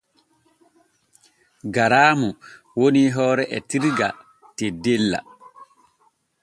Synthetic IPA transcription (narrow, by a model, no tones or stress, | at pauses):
ɡaɾaːmu | woniɦɔːɾɛʔɛtiɾɡa̰ | tedɛlːa̰